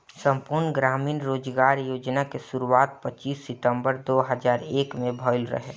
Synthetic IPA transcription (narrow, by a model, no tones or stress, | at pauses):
sə̃mpuɾnɡɾaːmiːnɾoːd͡ʒɡaːɾjoːd͡ʒnakesuɾuaːt̪̚pət͡ʃiːsːɪʈ̪ə̃mbəɾd̪oːɦəzaːɾeːkmẽbʱɔːɪlɾə̰ɦe